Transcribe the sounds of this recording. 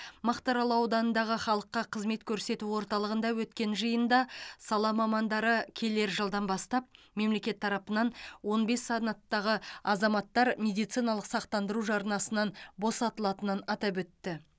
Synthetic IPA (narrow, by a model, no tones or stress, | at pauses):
mɑqt̪ɑɾɑlˠɑwd̪ɑnənd̪ɑʁəχɑlˠəqːɑqʰəzme̞t̪kʲʰɵɾse̞t̪uwo̞ɾt̪ɑlˠəʁənd̪ɑwɵt̪kʲe̞nʒəjənd̪ɑsɑlˠɑmɑmɑnd̪ɑɾəkʲʰe̞le̞ɾʒəlˠd̪ɑnbɑst̪ɑp̚me̞mle̞kʲe̞t̪ʰːɑɾɑpənɑnwo̞nbe̞sːɑnɑt̪ːɑʁəɑzɑmɑt̪ːɑɾmʲe̞d̪ijt̪sijnɑlˠəqsɑqt̪ɑnd̪əɾuʒɑɾnɑsənɑnbo̞sɑt̪əlˠɑt̪ənənɑt̪ɑpwɵt̪ːɪ